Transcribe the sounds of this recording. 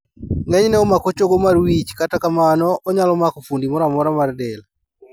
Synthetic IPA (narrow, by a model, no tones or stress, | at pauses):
ŋɛɲnɛɔmakot͡ʃoɡomarwit͡ʃkatakamanɔɔɲalɔmakofundimɔɾamɔɾamardɛl